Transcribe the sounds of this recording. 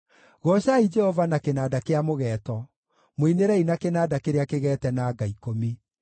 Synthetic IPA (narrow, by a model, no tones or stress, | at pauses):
ɣɔɕaid͡ʒɛhɔvanakenaːdakeamoɣɛːtɔ | moineɾɛinakenaːdakeɾeakeɣɛːtɛnaːɡaikomi